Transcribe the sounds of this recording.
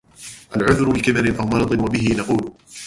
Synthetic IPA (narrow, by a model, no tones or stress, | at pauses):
ʔalʕʊðɾʊlɪkɪbaɾɪnʔawmɑɾˤɑd̪ˤɨnwabɪɦɪnɑquːl